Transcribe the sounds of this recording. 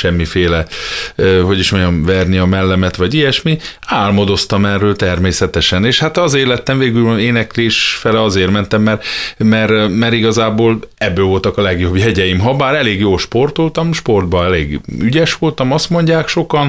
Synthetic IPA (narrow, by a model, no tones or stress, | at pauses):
ʃɛmːifeːlɛ | ho̞ɟiʃmoɲɒmvɛːrniɒmɛlːɛmɛt̪ʋɒɟijɛʃmiaːlmod̪o̞st̪ɒmɛrːøːlt̪ɛrmeːsɛt̪ɛʃɛneːʃhat̪ɒzeːrlɛt̪ːɛɱveːɡyleːnɛkleːʃfɛlɛɒzeːrmɛnt̪ɛmːɛrmɛɾmɛɾiɡɒzaːboːlɛbːøːvo̞lt̪ɒkɒlɛɡjo̞bjɛɟɛjimɦɒbaːɾɛleːɡjoːlʃpo̞rt̪olt̪ɒmʃpo̞rd̪̚bɒɛleːɡyɟɛʃʋo̞lt̪ɒmɒst̪mo̞ɲɟaːkʃo̞kɒn